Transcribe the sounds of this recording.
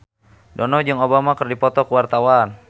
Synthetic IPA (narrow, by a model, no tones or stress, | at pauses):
dɔnɔd͡ʒɨŋobamakərdipɔt̪ɔkəwart̪awan